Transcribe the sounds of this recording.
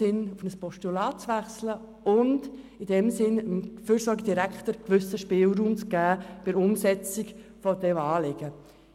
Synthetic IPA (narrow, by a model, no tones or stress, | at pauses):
ɪnufnəspɔʃtulɑːtt͡sʋæχslə | ʊnd | id̥ɛmsɪnəmføːɾsɔɾɡəd̥iɾækχtəɾkʋʏsəʃpɪːlˠɾuːmt͡sɡ̥æːb̥ɪɾʊmsɛt͡siɡfɔdɛmɑːlɪɡ̥ə